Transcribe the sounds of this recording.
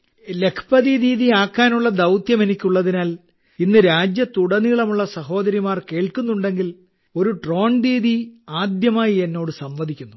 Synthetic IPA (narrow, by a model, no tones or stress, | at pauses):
le̞kʰpɐðiːɾiːðiaːkːaːnuɭːɐd̪ɐwt̪jɐme̞nikʲːuɭːɐðinaːl | inːɨɾaːd͡ʑjɐt̪uɽɐniɭɐmuɭːɐsɐɦo̞ːd̪ɐɾimaːrke̞ːɭkunːuɳɖe̞ŋɡil | o̞ɾuʈro̞ːɳdiːðiaːd̪jɐmaːjie̞nːo̞ːɽɨsɐmʋɐd̪ʱikʲːunːu